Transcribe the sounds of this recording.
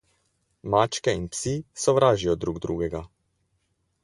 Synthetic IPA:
maːt͡ʃkɛinpsisɔʋɾaːʒijɔd̪ɾuɡd̪ɾuːɡɛɡa

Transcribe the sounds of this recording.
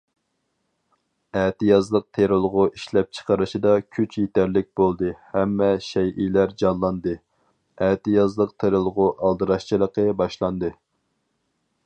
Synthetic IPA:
ɛt̪ɨjɑzlˠəq̚t̪ʰeɾolˠʁʊiʃlɛp̚t͡ʃʰə̥qʰəɾɨʃid̪ɑkʲʰyt͡ʃʰjet̪ʰæɾlɪk̚ʲb̥olˠd̪ɨhɛmːɛʃɛjʔilæɾd͡ʒɑnlˠɑnd̪ɨ | ɛt̪ɨjɑzlˠəqt̪ʰeɾɨlˠʁʊʔɑlˠd̪ɨɾɑʃt͡ʃʰilˠəqʰəbɑʃlˠɑnd̪ɨ

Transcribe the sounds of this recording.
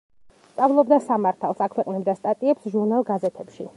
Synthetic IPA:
st̪sʼavlˠɔbd̪asamaɾt̪ʰalˠsakʰwɛqʼnɛbd̪ast̪ʼat̪ʼiɛpsʒuɾnalˠɡazɛt̪ʰɛpʃi

